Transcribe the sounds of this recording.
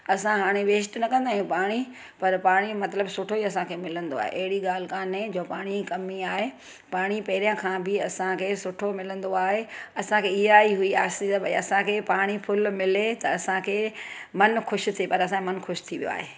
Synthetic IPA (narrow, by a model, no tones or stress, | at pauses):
ɐsãɦaːɽ̃eʋeːs̬ʈnɐkɐ̃nd̪aːɦjũpaːɽ̃i | pɐɾpaːɽ̃imɐt̪ləbsʊʈʰoiɐsãkʰeːmɪlə̃nd̪oa̰ːɦḛʔɐɦɪɽiɠaːl̤ɪkaːnẽd͡ʑoːpaːɽ̃ikɐmiaːɦe | paːɽ̃ipɐɦɪɾijãkʰãːbɪɐsãkʰeːsʊʈʰomɪlə̃nd̪oaːɦeɐsãkʰeːɪɦaːiɦʊiaːsiɐbɐiɐsãkʰeːpaːɽ̃ipʰʊlmɪlet̪ɐɐsãkʰeːmɐnxʰʊʃ̆t̪ʰepɐɾɐs̬ãmɐnxʰʊʃt̪ʰiʋijo̰a̰ːɦeː